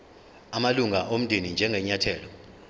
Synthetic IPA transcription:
amaluŋaʔom̩dʱinind͡ʒʱɛŋʱɛɲatʰɛːlɔ

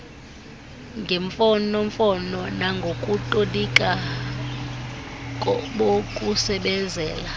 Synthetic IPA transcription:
ŋɡʱeɱfɔnoɱfɔnɔnaŋɡʱokʼutʼolikʼa | kʼɓokʼusɛɓɛnd͡zʱɛ̰ːla

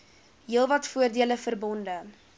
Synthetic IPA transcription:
ɦiəlˠvɐtfuərdiələfərbɔndə

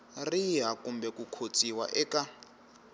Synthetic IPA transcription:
riɦakumbɛkukʰot͡sʼiwa̰ʔɛka

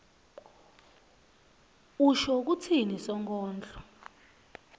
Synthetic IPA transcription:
uʃɔk̬utʰinisɔŋkʼɔːnd͡ɮɔ

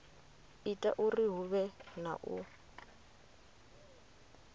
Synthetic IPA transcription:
itʼa̰ʔuriɦuβɛna̰ʔṵ

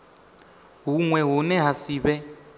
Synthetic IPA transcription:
ɦuŋwɛɦunɛɦasiːβɛ

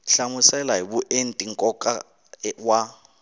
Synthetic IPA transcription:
ɬamʊsɛlaɦibuʔen̩tʼiŋ̩kʼɔkʼa | wa

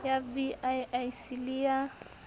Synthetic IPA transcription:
javiajajsilia

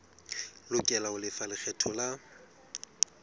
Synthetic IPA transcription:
lʊkʼɛlaʊlɪfalɪk͡xʰɛtʰɔla

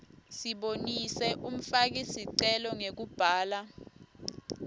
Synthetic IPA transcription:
siɓonisɛʔum̩fak̬isiǀɛlɔŋek̬ub̥ʱaːla

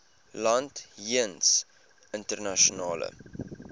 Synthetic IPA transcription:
lɐntiəns | əntərnaʃionɑːlə̰

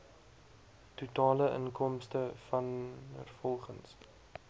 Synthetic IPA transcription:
tutɑːləʔə̰ŋkɔmstəfɐnə̰rfɔlˠχəns

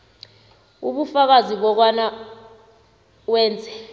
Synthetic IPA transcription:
uɓufak̬aziɓɔk̬wana | wɛːnd͡zʱɛ

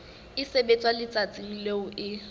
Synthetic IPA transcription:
ɪsebet͡sʼwalɪt͡sʼat͡sʼiŋ̩leʊʔɪ

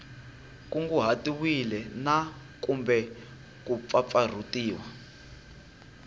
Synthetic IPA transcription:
kuŋɡuɦatiwilɛna | kumbɛ | kup̪fafar̤utiːwa

